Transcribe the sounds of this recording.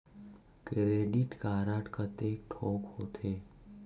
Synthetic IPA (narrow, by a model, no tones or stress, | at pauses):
kɾeːɖɪʈkaːɾaʈkət̪eːk̚ʈʰɔːkhoːt̪ʰeː